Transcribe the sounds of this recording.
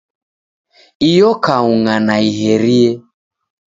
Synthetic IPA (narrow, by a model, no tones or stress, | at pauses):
ijɔkauŋanaiɦɛɾiɛ